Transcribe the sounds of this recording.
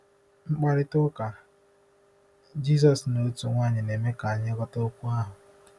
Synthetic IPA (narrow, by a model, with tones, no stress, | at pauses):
ŋ͡m̩˦k͡pa˦ɾɪ˦tʊ˦ka˨ | d͡ʒi˦s̬ɔ˨sno˨˦tu˨ŋʷa˦˨ɲɪ˨ne˨me˦ka˨a˨ɲɪ˦ɡɔ˦to˦kʷu˦a˦ɦʊ˨